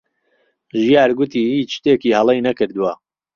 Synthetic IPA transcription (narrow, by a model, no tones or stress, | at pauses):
ʒijaːɾɡʊt̪ʰiːhiːt͡ʃʃt̪eːkiːhɐlˠejnɐkɨɾd̪uwɐ